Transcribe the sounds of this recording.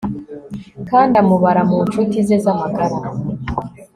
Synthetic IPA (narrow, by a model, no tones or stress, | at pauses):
kaːndamuβaɾamunt͡ʃutizezamaɡaɾa